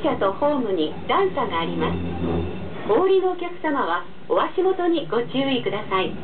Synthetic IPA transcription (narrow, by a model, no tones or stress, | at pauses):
ɕat̪o̞ho̞ːmɯ̟ɲ̟id̪ãɰ̃saɡaːɾʲimasɨ̥ | hoːɾʲino̞ːkʲakɯ̟̥samaβa | oβaɕimo̞t̪o̞ɲ̟iɡo̞t͡ɕɨːikɯ̟d̪asai